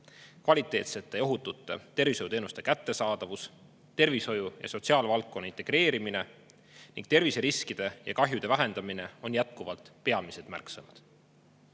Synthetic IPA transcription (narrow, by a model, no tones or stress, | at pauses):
kvɑlʲit̪ˑe̞ːt̪se̞t̪ːe̞jo̞ɦut̪ːˑut̪ːˑe̞̰t̪e̞rviso̞jut̪eːnust̪e̞kæt̪ːe̞sɑːd̪̥ɑvus | t̪e̞rviso̞jujɑ̰so̞t̪ʲsiɑːlvɑlk̚ːo̞nːɑint̪eɡ̥ɾe̞ːɾimine̞ | nḭŋɡ̥̚t̪e̞rviseɾiskid̪̥e̞jʔɑ̰kɑɦjud̪̥e̞væɦe̞nd̪̥ɑmine̞o̞njæt̪̚kuvɑlt̪pe̞ɑmised̪mæ̰rksenud̪̥